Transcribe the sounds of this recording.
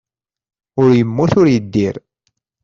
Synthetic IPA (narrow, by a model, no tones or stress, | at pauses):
ʊɾjəmːʊθʊɾjəd̪ːiɾ